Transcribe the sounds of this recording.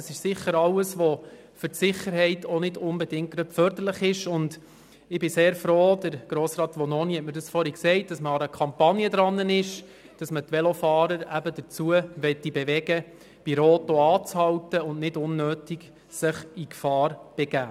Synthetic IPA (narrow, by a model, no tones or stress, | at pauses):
əsɪʃsɪχːəɾɑwəsʋɔ | fʏɾtsɪχəɾɦɛɪtonɪdʊnbɛdɪŋt̚ɡ̥ɾœpfœɾdəɾləχɪʃʊnd | ɪbɪseːɾfɾoːd̥əɾɡ̥ɾoːsɾɑːtʋɔnɔnihɛtməɾdɑsfɔɾiksɛɪt̚d̥ɑsməɑɾəkʰɑmpɑnjəd̪ɾɑnːənɪʃ | d̥ɑsmətʋɛlofɑːɾəɾæbədət͡suəʋɛt̪ːibeʋɛɡə | b̥iɾoːtoɑːt͡shɑwtəʊnnɪdʊnːøːtiɡ | səχikfɑːɾb̥ɛɡ̥æː